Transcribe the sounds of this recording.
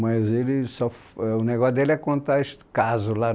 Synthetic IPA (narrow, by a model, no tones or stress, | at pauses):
mɐzelɪsɔf | ɛʊneɡɔsd̪elɪɛkõnt̪aeʃt̪ɪ̥kazʊla